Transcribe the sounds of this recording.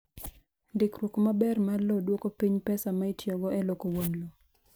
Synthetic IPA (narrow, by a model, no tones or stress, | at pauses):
dɪkrwokomabɛrmalɔdwokopiɲpɛsamaitjoɡɔɛlokowonlo